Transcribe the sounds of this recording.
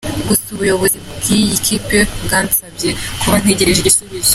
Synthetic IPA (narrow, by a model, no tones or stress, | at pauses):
ɡusuβujo̞βo̞zibɡijikʰipebɡaːnsabje̞kʰuβan̥e̞ɟe̞ɾeʒeɟisuβizo